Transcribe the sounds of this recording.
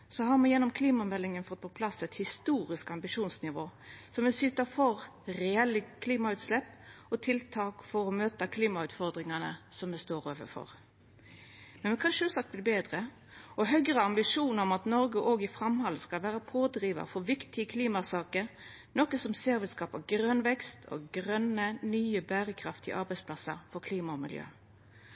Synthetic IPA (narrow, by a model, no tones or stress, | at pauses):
sɔɦɑʁmɛjɛnːɔmkʰliːmɑmɛlːɪŋənfɔt̪̚ːpʰɔpʰlɑsɛt̪hɪst̪uːɾɪskɑmbɪʂuːnsnɪʋoːsɔmɛsʏt̪əfɔʁɾɛɛlːəkʰliːmɑʉːt̪slɛpɔt̪ʰɪlt̪ʰɑːkfɔɾɔmøːt̪ɑkʰliːmɑʉːt̪fɔʁd̪ʁɪŋɑnə̰sɔmmɛst̪oːɾoːʋə̰fɔ̰ʁ | mɛnmɛkʰɑnʃøːlsɑk̚t̪bliːbeːd̪ʁə | ɔɦœɡɾəɑmbɪʂuːnəɔmɑt̪nɔɾɡəʔoːɡɪfɾɑmhɑlskɑlʋæːɾəpʰoːd̪ɾiːʋɑ̰fɔʁʋɪkt̪ɪəkʰliːmɑsɑːkəɾ | noːkəsɔmseːɾʋɪlskɑːpɑɡɾœnʋɛkst̪ʰɔ̰ɡʁœnənyːəbæːɾəkʰɾɑft̪ɪ̰ʔɑɾbɛɪspʰlɑsə̰ʁfɔkʰliːmɑɔmɪ̰ljø̰ː